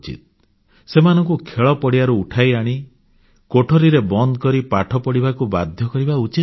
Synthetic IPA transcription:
t͡ʃḭt̪̚ | semanɔŋkukʰeɭɔpɔɽiaɾuːʈʰajaɽ̃i | koʈʰoɾiɾebɔnd̪ɔkɔɾipaʈʰɔpɔɽibakuba̰d̪ʱjɔkɔɾibaut͡ʃi

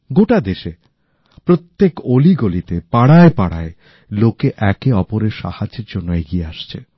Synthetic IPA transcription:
ɡoʈad̪eʃe | pɾot̪ːekoliɡolit̪epaɽaepaɽa̰e | lokeʔɛkeɔpoɾeɾʃa̰haeɾd͡ʑonːoeɡieaʃt͡ɕʰḛ

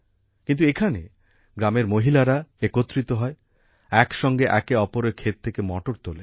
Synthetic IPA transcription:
kint̪̬uekʰanḛ | ɡɾameɾmoɦilaɾaekot̪ːɾit̪oɦɔe | ɛkʃɔŋɡeʔɛkeɔpoɾekʰet̪̚t̪ʰekemɔ̰ʈoɾt̪ole

